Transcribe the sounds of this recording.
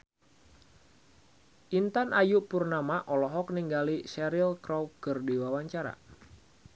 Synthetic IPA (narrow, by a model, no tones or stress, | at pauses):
ʔint̪anʔajuʔpurnamaʔɔlɔɦɔk̚niŋɡalisɛɾilkɾawkɨrdiwawaɲt͡ʃaɾa̰